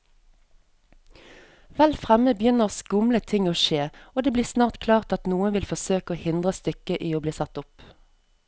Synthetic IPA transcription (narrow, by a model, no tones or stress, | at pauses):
ʋɛlfʁɛməbjʏnəʁskʊmlət̪ʰɪŋoːʃeːoːd̪eːbliːsnɑːʁt̪kʰlɑːʁt̪ɑt̪nuːənʋɪlfɔsøːkoːhɪnd̪ʁəst̪ʏkəʔiːoːbliːsɑt̪ʊp